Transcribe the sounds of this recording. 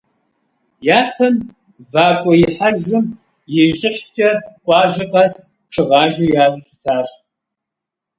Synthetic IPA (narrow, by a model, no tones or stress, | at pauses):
jaːtʰɐm | vaːkʷʼɔjɪħaʒɨm | jɪʒʼɪχt͡ʃʼɐkʷʼɑːʒɐqʼas | ʈ͡ʂʰɨʁɑːʒɐjaːzʊʃɪtʰaːɕtʼ